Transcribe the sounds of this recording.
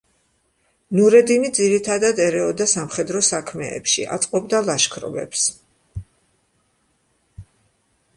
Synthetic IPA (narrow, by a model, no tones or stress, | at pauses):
nuɾɛd̪inid̪ziɾit̪ʰad̪ad̪ɛɾɛɔd̪asamχɛd̪ɾɔsakʰmɛ̰ːpʃḭʔa̰t̪sʼqʼɔbd̪alˠaʃkʰɾɔ̰bɛ̰ps